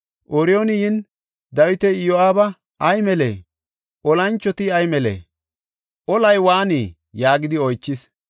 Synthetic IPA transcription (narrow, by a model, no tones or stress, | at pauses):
ʔɔɾɪonɪjɪn | d̪ɐwɪt̪ɛɪjoaːbɐ | ʔɐjmɛlḛː | ʔɔlɐnt͡ʃːɔt̪ɪɐjmɛlḛː | ʔɔlɐjwaːniː | jaːɡɪd̪ɪɔjt͡ʃːɪs